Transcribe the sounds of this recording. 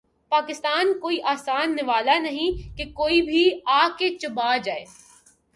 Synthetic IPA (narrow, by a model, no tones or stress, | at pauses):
paːkɪst̪aːnkoːiʔaːsaːnːɪʋaːlanɐɦĩkekoːibʱiaːket͡ʃʊbaːd͡ʒaːeː